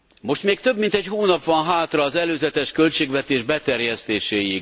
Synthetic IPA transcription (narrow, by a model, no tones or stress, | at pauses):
mo̞ʃt̪meːkt̪øbːmint̪ɛchoːnɒpʋɒnɦaːt̪rɒːzɛløːzɛt̪ɛʃkø̞lt͡ʃeːɡvɛt̪eːʒbɛt̪ɛrjɛst̪eːʃeːji